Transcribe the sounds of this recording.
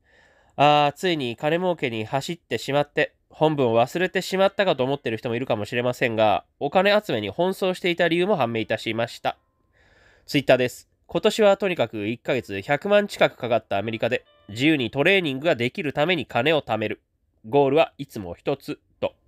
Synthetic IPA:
aːt͡sɨiɲ̟ikane̞mo̞ːke̞ɲ̟ihaɕit̪ːe̞ɕimat̪ːe̞ | hõ̞mbɯ̟ɰ̃oβasɨɾe̞t̪e̞ɕimat̪ːakat̪o̞ːmo̞t̪ːe̞ɾɯ̟çit̪o̞moiɾɯ̟kamo̞ɕiɾe̞masẽ̞ŋɡa̰o̞kane̞at͡sɨme̞ɲ̟ihõ̞ɰ̃so̞ːɕi̥t̪e̞it̪aɾʲiɯ̟ːmo̞ɦãmːe̞ːit̪aɕimaɕi̥t̪a̰ | t͡sɨit̪ːaːd̪e̞sɨ̥ | ko̞t̪o̞ɕiβat̪o̞ɲ̟ikakɯ̟ikːaɡe̞t͡sɨçakɯ̟mãɲ̟t͡ɕi̥kakɯ̟̥kaɡat̪ːaːme̞ɾʲikad̪e̞ | d͡ʑijɯ̟ːɲ̟it̪o̞ɾe̞ːɲ̟ĩŋɡɯ̟ɡad̪e̞kʲiɾɯ̟t̪ame̞ɲ̟ikʰane̞o̞t̪ame̞ɾɯ̟ | ɡo̞ːɾɯ̟βait͡sɨmo̞̰çi̥t̪o̞t͡sɨ | t̪o̞

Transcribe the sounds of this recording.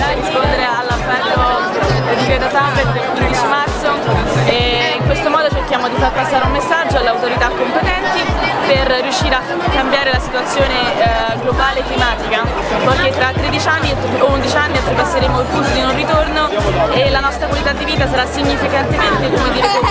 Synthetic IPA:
aɾeɾispond̪eɾealːampɛro | d̪ikɾɛt̪at̪abet̪̚d̪elkɾed̪it͡ʃimart̪soe | iŋkwest̪omɔːd̪ot͡ʃerkjaːmod̪ifarpasːaːɾeumːesːad͡ʒːoalːeawt̪oɾit̪akːompet̪ɛnt̪iperrːjuʃːiːɾea | kːambjaːɾelasit̪uat̪sːjoːne | ɡlobaːlekːlimaːt̪ika | pojk̟et̪ːɾat̪ːɾed̪it͡ʃanːit̪und̪it͡ʃanːiat̪ːɾivasːeɾeːmoilp̪ut̪ːod̪inonrːit̪ornoelanɔst̪ɾakwalit̪ad̪ːiviːt̪asaɾasːiɲːifikant̪ement̪ekomed̪iːɾe

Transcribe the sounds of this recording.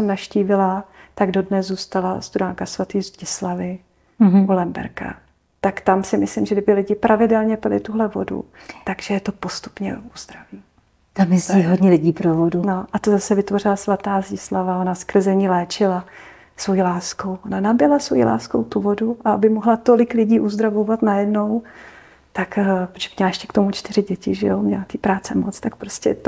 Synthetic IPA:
sɛmnaʃciːvɪlat̪aɡdo̞dnɛzzuːst̪alast̪uɾaːŋkasvat̪iːzɟɪslavɪ | ulɛmbɛ̰ɾka̰ | t̪akt̪amsɪmɪslɪmʒɛɡdɪbɪlɪɟɪpɾʔavɪdɛlɲɛpɪlɪ̰t̪uɦlɛvo̞̰dṵ | t̪aɡʒ̥ɛjɛt̪o̞po̞st̪u̥pɲɛ̰uzd̪ɾaviː | t̪amɪiɦodɲɛlɪɟiːpɾovoduno̞ʔat̪ozasɛvɪt̪vo̞r̝ɪlasvat̪aːzislavao̞naskr̩zɛɲiːlɛːt͡ʃɪla | svo̞jiːlaːsko̞wonanabɪɛlasvo̞jḭlʔa̰ːsko̞wt̪uvo̞duʔaabɪmoɦlat̪o̞lɪklɪɟiːʔuzd̪ɾavovat̪najɛdno̞w | t̪akpot͡ʃɛmɲɛlaɛʃcɛ̥kt̪omut͡ʃt̪ɪɾ̝ɪɟɛcɪʒɛjomɲɛlat̪iːpɾaːt͡sɛmot͡st̪ak̚pɾoscɛt̪

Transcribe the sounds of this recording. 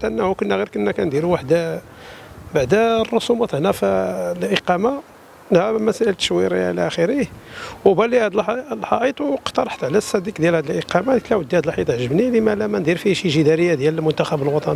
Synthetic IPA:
t̪ʔənːæhukənːæɣiɾkənːækænd̪iɾuwaħd̪a | baʕd̪ærˤːosumɑt̪hnæflʔiqɑma | nhæmæsæʔəlt̪ːʃwiɾiʕlæʔæxiɾihwbælihæd̪əllħɑʔit̪ˤwqt̪ɑɾˤħt̪ʕlæsæd̪ikd̪jælhæd̪əlʔəqɑmat̪læwəd̪ːihæd̪əlħit̪ˤʕəʒəbnilimælæmænd̪iɾfiʃiʒid̪æɾəjːad̪jæləlmʊnt̪æxæbəlwɑt̪ˤɑni

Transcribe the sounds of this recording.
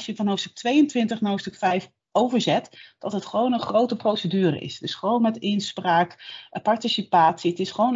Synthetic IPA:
ʃjəvɑnɦowfstɵ̥k̚tʋejəntʋɪntəχnɦofstɵkfɛjf | owvəɹzɛtd̥ɑtɦətχəʋownənχrowtəprowsədyːrə̰ɪ̰sdɪsχəʋownmɛtɪnspraːkpɑɹtisipaːtsiətɪsχəʋown

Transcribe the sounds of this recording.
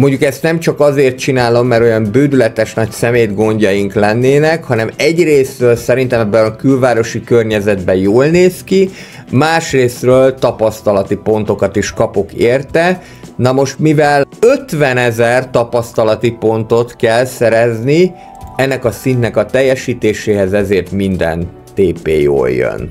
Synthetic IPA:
moɲɟukɛst̪nɛmt͡ʃɒkɒzeːrt̪̚t͡ʃinaːlo̞mːɛɾo̞jɒmbøːd̪ylɛt̪ɛʃnɒcsɛmeːd̪ɡo̞ɲɟɒjiŋklɛnːeːnɛkhɒnɛmɛɟreːsrøːlsɛɾint̪ɛmɛbːɛnɒkylvaːɾo̞ʃikørɲɛzɛd̪bɛjoːlneːski | maːʃreːsrøːlt̪ɒpɒst̪ɒlɒt̪ipo̞nt̪o̞kɒt̪iʃkɒpo̞keːrt̪ɛ | nɒmo̞ʃt̪mivɛløt̪vɛnɛzɛrt̪ɒpɒst̪ɒlɒt̪ipo̞nt̪o̞t̪kɛlsɛɾɛzni | ɛnːɛkɒsint̪nɛkɒt̪ɛjːɛʃiːt̪eːʃeːɦɛzɛzeːrt̪mind̪ɛ̰n | t̪eːpḛːjo̰ːljø̰n

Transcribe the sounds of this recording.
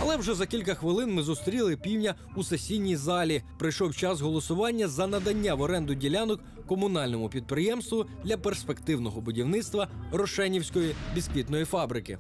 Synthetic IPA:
ɐlˠɛwʒɛzɐkʲilʲk̬ɐxʋɪlˠɪnmɪzʊst̪ɾʲilˠɪpʲiwnʲɐ | usesʲijnʲijzɑlʲipɾɪjʃɔwt͡ʃɑsɦɔlˠɔsʊʋɑnʲːɐzɐnɐd̪ɐnʲːaʋɔɾɛnd̪ʊdʲilʲanɔkːɔmʊnɑlʲnɔmʊpʲid̪̚pɾɪjɛmst̪ʋʊd̪lʲɐperspe̞kt̪ɪwnɔɦɔbʊdʲiwnɪt̪st̪ʋɐrɔʃɛnʲiwsʲkɔjibʲiskʋʲit̪nɔjifɑbɾɪkɪ̰

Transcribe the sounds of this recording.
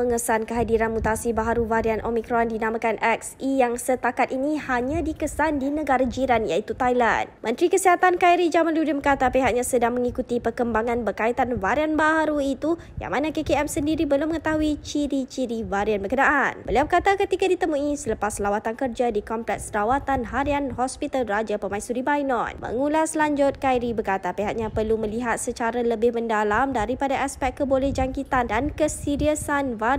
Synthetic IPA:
əŋəsankəɦadiɾanmut̪asibaɦaɾuvaɾanʔomĩkɾɔndinamãkanʔɛk̚sijaŋsət̪akat̪̚inĩhaɲãdikəsandinəɡaɾad͡ʒiɾanja̰it̪ut̪ajla̰nmʔə̃nt̪ɾikəsiɦat̪ankajɾid͡ʒamanludibəkat̪apeɦaʔk̚ɲasədaŋmə̃ŋikut̪ipərkəmbaŋãnbərkait̪anvaɾianbaɦaɾuit̪u | ja̰ŋmanãkekeɛmsəndiɾibəlʊməŋət̪aɦuit͡ʃiɾit͡ʃiɾivaɾianbərkənaʔanbəliawbəkat̪akət̪ikadit̪əmũisələpaslawat̪ankərd͡ʒadikɔmplɛk̚sɾawat̪anɦaɾianɦɔspit̪alrad͡ʒapəmaisuɾibajnɔ̰̃nmʔə̰ŋulaslaɲd͡ʒʊt̪̚kajɾibərkat̪apeɦak̚ɲãpərlumə̃liɦat̪̚sət͡ʃaɾaləbɪhməndalamdaɾipadaʔaspɛk̚kːəbolɛhd͡ʒaŋkit̪andankəsiɾiasanva

